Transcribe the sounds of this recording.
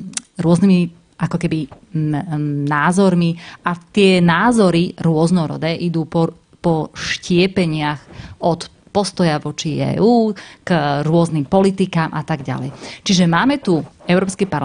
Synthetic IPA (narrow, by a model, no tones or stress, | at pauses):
ɾʊɔznimi | ʔakɔkɛbi | naːzɔɾmiʔat̪ɪɛnaːzɔɾiɾʊɔznɔɾɔ̰d̪ɛʔid̪uːpɔ | pɔʃcɪɛpɛɲɪaxɔt̪ | pɔst̪ɔjaʋɔt͡ʃiɛ̰ːuːkɾʊɔznimpɔlit̪ikaːmʔa̰t̪aɡɟa̰lɛ̰jt͡ʃiʒɛmaːmɛt̪uɛʊɾɔːpskipaɾ